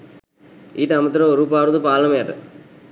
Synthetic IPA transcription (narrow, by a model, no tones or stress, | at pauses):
iːʈːɐmɐt̪ːɯɾɐɔɾupaːʋɾðɯpaːlɐmjaːʈːɯ̰